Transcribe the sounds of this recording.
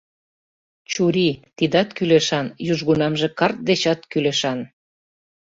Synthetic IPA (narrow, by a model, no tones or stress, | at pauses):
t͡ɕuɾit̪id̪ɑt̪kyleʃɑnjuʒɣunɑmʒĕkɑrt̪̚d̪et͡ɕɑt̪kyleʃɑn